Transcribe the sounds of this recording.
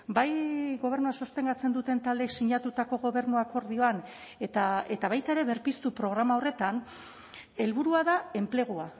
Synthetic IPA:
bajɣo̞β̞e̞ɾnuasast̪e̞ŋɡat͡se̞nd̪ut̪e̞nt̪ald̪eːksiɲat̪ut̪ako̞ɣ̞o̞β̞e̞ɾnuako̞ɾðio̞an | et̪ae̞t̪aβajt̪aeɾe̞βe̞ɾpist̪upɾo̞ɣ̞ɾamao̞re̞t̪an | e̞lβuɾuaðae̞mple̞ɣ̞ua

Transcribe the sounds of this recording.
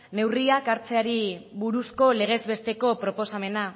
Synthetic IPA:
ne̞wriakaɾt͡se̞aɾiβuɾusko̞le̞ɣ̞e̞zβe̞st̪e̞ko̞pɾo̞po̞same̞na

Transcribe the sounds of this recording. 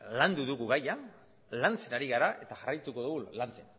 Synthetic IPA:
land̪uðuɣuɣaja | lant͡se̞naɾiɣaɾaʔe̞t̪aʝarajt̪uko̞ðuɣulant͡se̞n

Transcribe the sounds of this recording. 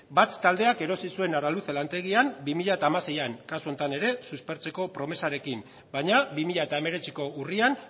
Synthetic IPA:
bat̪t̪ːald̪e̞ake̞ɾo̞sisue̞naɾaluselant̪e̞ɣ̞iambimiʎaet̪aːmase̞jaŋkasuo̞nt̪ane̞ɾe̞suspe̞ɾt͡se̞ko̞pɾo̞me̞saɾe̞kim | bajɲabimiʎaet̪ae̞me̞ɾe̞t͡siko̞urian

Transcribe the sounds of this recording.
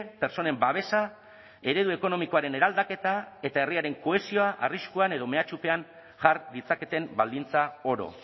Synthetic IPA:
pe̞ɾt͡so̞ne̞mbaβ̞e̞sa | e̞ɾe̞ð̞ue̞ko̞no̞miko̞aɾe̞ne̞ɾald̪ake̞t̪ae̞t̪ae̞riaɾe̞ŋko̞e̞sio̞aʔariskuane̞ðo̞me̞at͡ʃupe̞aŋ | ʝaɾd̪it͡sake̞t̪e̞mbald̪int͡sao̞ɾo̞̰

